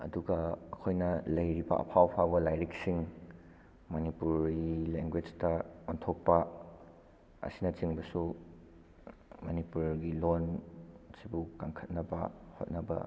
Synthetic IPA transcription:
ɐ̰duɡɐɐkʰojnɐlɐjɾibɐ̰ʔɐ̰pʰawpʰabɐlajɾik̚siŋ | mɐnipuɾɡileŋɡwed͡ʒtɐontʰok̚pɐ | ɐ̰sinɐt͡ʃiŋbɐsu | mɐnipuɾɡilonsibukaŋkʰɐt̚nɐbɐho̰t̚nɐbɐ̰

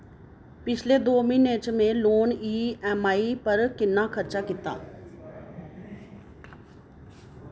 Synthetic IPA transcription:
pɪt͡ʃʰled̪oːmĩneːt͡ʃmẽloːniːɛmaːipəɾkɪnːakʰɐɾt͡ʃakɪt̪a̰ː

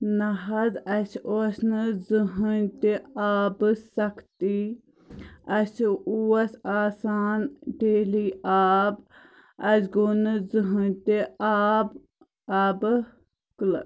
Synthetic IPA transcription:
nɐɦɐzɐsosnɨzɨɦɨnt̪eaːbɨsɐkʰt̪i | ɐsuɐsaːsaːnɖeːliʔaːb | ɐsɡonɨzɨɦɨnt̪eab | ɐːb | kl

